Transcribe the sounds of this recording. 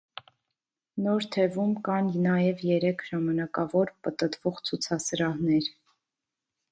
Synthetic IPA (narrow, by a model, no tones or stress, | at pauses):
nɔɾt̪ʰɛvumkɑnnɑjɛvjɛɾɛkʰʒɑmɑnɑkɑvɔɾpət̪ət̪vɔʁt͡sʰut͡sʰɑsəɾɑhnɛɾ